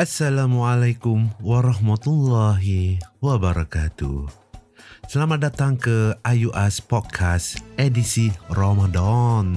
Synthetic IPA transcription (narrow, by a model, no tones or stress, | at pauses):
ʔasːalamualajkumwaɾɑhmat̪ulːaɦiwabaɾakat̪ṵ | səlamat̪̚dat̪aŋkəʔajuʔɛspɔt̪̚kʰasʔedisiromadɔn